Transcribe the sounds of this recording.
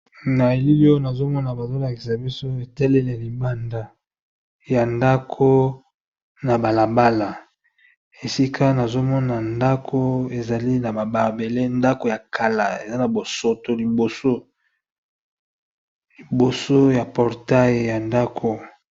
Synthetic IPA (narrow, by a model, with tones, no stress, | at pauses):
na˨e˨li˦li˦o˦na˨zo˦mɔ˦na˨ba˨zo˦la˨ki̥˨sa˨bi˦so˦e˨tɛ˦lɛ˦lɛ˨li˨ba˦nda˦ | ja˨nda˦kʰo˦ | na˨ba˨la˨ba˦la˨ | e˨si˦kʰa˦na˨zo˦mɔ˦na˨nda˦kʰo˦e˨za˨li˦na˨ba˨ba˨be˨le˦nda˦ko˨ja˨kʰa˨la˨e˨za˦na˨bo˨so˨to˨li˨bo˨so˦ | li˨bo˨so˦ja˨pɔ˨ʁta˦je˨ja˨nda˦kʰo˨